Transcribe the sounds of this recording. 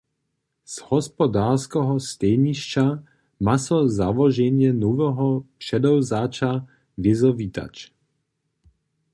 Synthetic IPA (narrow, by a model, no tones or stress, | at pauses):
z̥hɔspɔd̪aːrskɔɦɔstɛɲiʃt͡ʃa | masɔzaʋɔʒɛɲɪjɛnuvɛɦɔpʃɛd̪ɔwzaːt͡ʃa | vɪzɔvit̪a̰t͡ʃ